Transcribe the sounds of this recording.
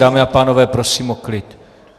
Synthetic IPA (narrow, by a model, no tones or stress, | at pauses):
aːmɪapaːnovɛːpɾosiːmoklɪt̪